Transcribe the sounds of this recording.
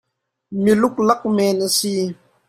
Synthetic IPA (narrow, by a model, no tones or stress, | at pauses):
milʊk̚lak̚mɛnʔəsi